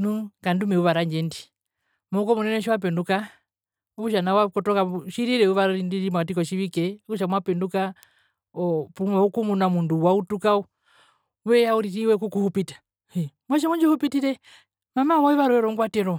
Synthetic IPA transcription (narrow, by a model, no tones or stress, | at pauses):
nukandumɛuβaɾaɲd͡ʒɛndi | mɔukɔmunɛnɛʃ̬iwap̬ɛnduka | ɔβuʃanawakɔtɔkaʃiɾiɾɛuʋaɾɾindiɾimatikɔʃiβikɛkuʃamwapɛnduka | ɔpumaukumunamunduwautukau | wɛjauɾiɾiwɛkukuhupitḁ | i | mwɔʃ̬imuɲd͡ʒɔhupitiɾɛ | mamawaiβaɾɔɛɾɔŋɡwatɛɾɔ